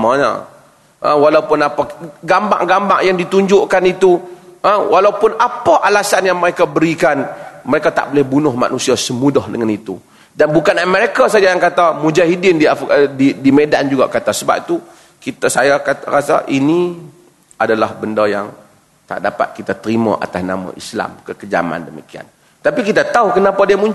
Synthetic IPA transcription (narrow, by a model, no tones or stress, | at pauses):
maɲa̰ | ʔə̰̃walaupʊnapaɡamba̰ŋɡamba̰ʔjaŋdit̪uɲd͡ʒʊʔkanit̪uʔəwʔalawpʊnapaʔalasanjaŋməɾekabəɾikanməɾekat̪a̰ʔbolɛhbunʊhma̰nusiasəmudɔhdəŋanit̪ṵ | danbukanamɛɾekasad͡ʒajaŋkat̪amud͡ʒaɦidɪndiafdidimedand͡ʒuɡa̰ʔkat̪asəba̰p̚t̪u | kit̪asajakat̪aɾasa̰ʔini | ʔadalahbəndajaŋ | t̪a̰ʔdapa̰t̪̚kit̪at̪əɾimã̰ʔa̰t̪asna̰mã̰ʔisla̰mkəkəd͡ʒa̰ma̰ndəmikia̰n | t̪apikit̪at̪aukənapadiamuɲd͡ʒ